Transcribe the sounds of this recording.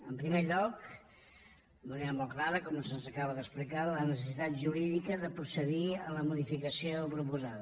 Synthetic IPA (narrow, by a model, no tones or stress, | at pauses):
əmpɾimeʎɔk | əməneɾəmɔlˠklaɾəkɔməsənzəkaβəðəksplikalənəs̬əsit̪at̪ʒuɾiðikəðəpɾusəðiələmuðifikəsiopɾupuzaðə